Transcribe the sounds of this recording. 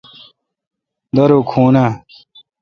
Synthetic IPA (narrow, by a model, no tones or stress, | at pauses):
d̪ɐɾokʰuːna